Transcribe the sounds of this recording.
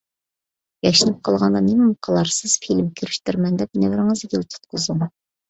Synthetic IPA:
jɑʃinɨp̚qʰɑlˠʁɑnd̪ɑnemɪmqʰəlˠɑɾsɨz̥filmkʲʰyɾɪʃt̪yɾmɛnd̪ɛp̚nɛvɪɾɪŋɨzkʲil̚t̪ʰʊ̥t̪̚qʰəzuŋ

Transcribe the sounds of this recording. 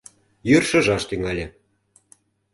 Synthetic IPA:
jørʃɤ̆ʒɑʃt̪yŋɑlʲĕ

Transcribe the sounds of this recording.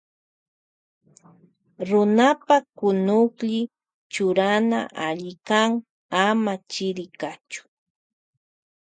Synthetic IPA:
ɾʊnapakʊnʊkʎɪ | t͡ʃʊɾana̰ʔaʎɪkaŋ | amat͡ʃɪɾɪkat͡ʃʊ̥

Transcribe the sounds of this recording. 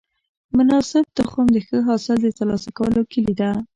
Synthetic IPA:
mʊnɑsɪb̚d̪̥əxomd̪əxəɦɑsald̪ət̪aɾlɑsakawəlokəlid̪a

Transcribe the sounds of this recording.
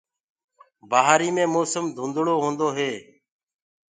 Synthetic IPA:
baːɦaːɾiːmẽːmoːsəmd̪ʱũːnd̪ɽoːɦũːnd̪oːɦeː

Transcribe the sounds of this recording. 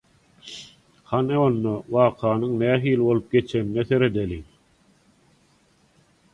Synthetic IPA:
hɑneonːowɑːqʰɑːnɯŋnæːɦiːlibo̞lˠup̚ɡe̞t͡ʃʰe̞nineθe̞ɾe̞d̪eli

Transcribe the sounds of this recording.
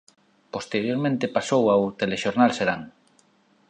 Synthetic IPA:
post̪eɾjoɾmẽnt̪epasowawt̪eleʃoɾnalseɾaŋ

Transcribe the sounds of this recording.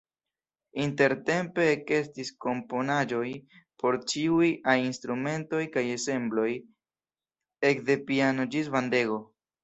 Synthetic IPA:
inte̞ɾte̞mpe̞ke̞stisko̞mpo̞nad͡ʒo̞j | pʰo̞ɾt͡ʃiujajinstɾume̞nto̞jkaje̞se̞mblo̞j | e̞kde̞piano̞d͡ʒis̬vande̞ɡo̞

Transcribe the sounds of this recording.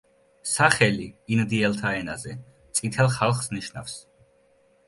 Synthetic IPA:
saχɛliːnd̪iɛlˠt̪ʰaɛnazɛ | t̪sʼit̪ʰɛlˠχalˠχsniʃna̰fs

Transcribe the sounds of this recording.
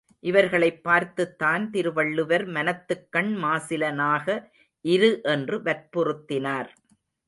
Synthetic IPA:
ʔɪʋɐɾɣɐɭɐɪpːaːɾt̪ɯt̪ːaːnt̪ɪɾɯʋɐɭːɯʋɐɾmɐnɐt̪ːɯkːɐɳmaːsɪlɐnaːɣɐ | ʔɪɾɯʔɛndrɯʋɐɾpʊrɯt̪ːɪnaːɾ

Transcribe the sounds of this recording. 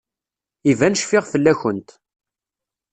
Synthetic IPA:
ivænəʃfɪʁfəlːæçənt̪

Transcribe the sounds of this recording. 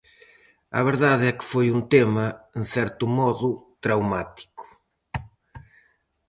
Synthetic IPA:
ɐ̰βeɾðaðɛkɪ̥fojunt̪emɐenθɛɾt̪ʊmɔðʊt̪ɾawmat̪i̥kʊ̥

